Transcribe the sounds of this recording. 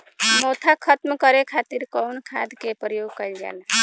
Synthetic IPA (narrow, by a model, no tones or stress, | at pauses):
mot̪ʰakʰət̪mkəɾekʰat̪iɾkɔwnkʰa̰d̪kepɾəjoɡkəɪld͡ʒa̰n